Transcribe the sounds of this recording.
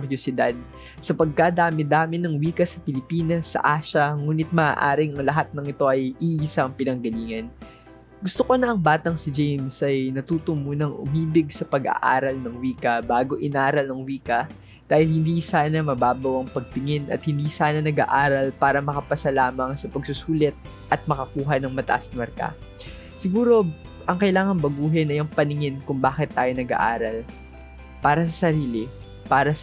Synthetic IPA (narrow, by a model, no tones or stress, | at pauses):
ɾjosɪd̪ad̪̚ | sɐpɐɡ̚kad̪aːmɪd̪aːmɪnɐŋwiːkɐsɐpɪlɪpiːnɐsːɐ̰ʔaːʃɐŋuːnɪt̪̚mɐʔa̰ːʔaːɾɪŋɐŋlɐɦat̪̚nɐŋɪt̪o̞ʔɐjʔiʔɪsaɐŋpɪnɐŋɡɐliːŋɐn | ɡʊst̪okonɐʔɐŋbaːt̪ɐŋsɪd͡ʒejmsʔɐjnɐt̪uːt̪ʊmuːnɐŋʔʊ̰miːbɪɡ̚sɐpɐɡa̰ʔa̰ːɾɐlnɐŋwiːkɐbaːɡo̞ʔɪnaːɾɐlnɐŋwiːkɐ | d̪̥aːhɪlhɪnd̪iːsaːnɐmɐbaːbɐwɐŋpɐɡ̚pɪŋɪnʔɐ̰t̪̚hɪnd̪iːsaːnɐnɐɡa̰ːʔaːɾɐlpaːɾɐmɐkɐpɐsɐlaːmɐŋsɐpɐɡsʊsuːlɛt̪̚ | ʔɐt̪̚mɐkɐkuːɦɐnɐŋmɐt̪ɐ̰ʔɐsnɐmɐɾka̰ | sɪɡuːɾo̞ | ʔɐŋkɐʔɪlaːŋɐŋbɐɡuːɦɛnɐjɐŋpɐnɪŋɪnkʊŋbaːkɪt̪ːaːjo̞nɐɡa̰ʔaːɾɐl | paːɾɐs̬ɐsɐɾiːlɪ | paːɾɐs